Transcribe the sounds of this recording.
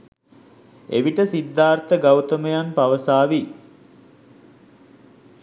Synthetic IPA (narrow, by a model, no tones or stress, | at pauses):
ḛʋiʈəsid̪ːaːrt̪əɡawt̪əməjanpaʋəsaːʋi